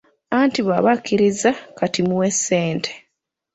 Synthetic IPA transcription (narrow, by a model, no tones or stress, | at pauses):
antiβaβakːiɾizakatimuwe̞sːeːntʰe̥